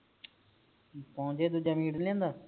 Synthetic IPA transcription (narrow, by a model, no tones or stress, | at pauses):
pɔʊ̃d͡ʒeːd̪ud͡ʒaːmiːɽlɛ̃ːnd̪aː